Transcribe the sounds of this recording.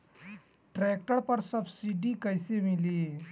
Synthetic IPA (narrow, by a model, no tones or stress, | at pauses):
ʈɾɛk̚ʈəɾpəɾsəbsiɖikəjsemili